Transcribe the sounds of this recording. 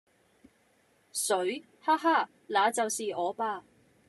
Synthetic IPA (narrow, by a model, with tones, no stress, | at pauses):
sɵ˨˥ɥ | haː˥ɦaː˥ | laː˨˧t͡sɐ˨wsiː˨ʔɔː˨˧paː˧